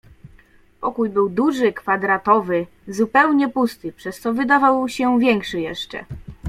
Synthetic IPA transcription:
pɔkujbɘwd̪uʐɘkfad̪ɾat̪ɔvɘ | zupɛwɲɛpust̪ɘpʂɛst̪ɔvɘd̪avawɕɛvʲjɛŋkʂɘjɛʂt͡ʂɛ̰

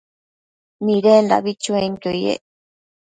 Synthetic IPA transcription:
nĩɾend̪a̰βit͡ʃũẽŋt̪ojḛ

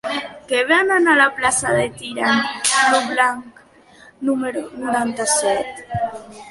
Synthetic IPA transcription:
keβananalaplasaðet̪iɾanluβlaŋk | numeɾonoɾant̪asɛt̪

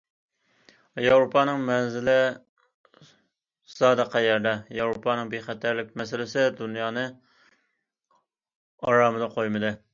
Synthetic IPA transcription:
jɑwɾopʰɑnɨŋmɛnzɪlɪ | sɑːd̪ɨqɑjɛɾd̪ɛjɑwɾopʰɑnɨŋbeχæt̪ʰæɾlɪk̚ʲmɛsɪlɪsɪd̪unjɑːnɨ | ɑɾɑːmɨd̪ɑqʰojmɨd̪ɨ

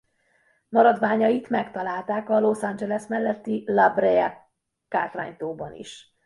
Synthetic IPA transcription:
mɒɾɒd̪ʋaːɲɒjit̪mɛkt̪ɒlaːlt̪aːkɒlo̞sand͡ʒɛlɛsmɛlːɛt̪ːilɒbrɛɛ | ka̰ːt̪ʋa̰ːɲt̪oːbɒnḭʃ

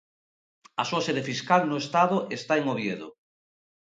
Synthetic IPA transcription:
asuasɛðefiskalnoest̪aðoʔest̪aeŋoβjeðo̰

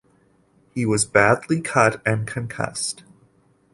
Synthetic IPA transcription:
hiwʌzbædˡlikʰʌɾɨ̃nkʰɨ̃nkʰʌ̰st

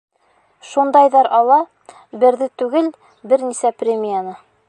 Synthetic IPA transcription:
ʃund̪ɑjðɑɾʔɑlˠɑ | bɘ̆ɾðɘt̪ʉɡɘl | bɘɾnisæprʲemʲijanɤ

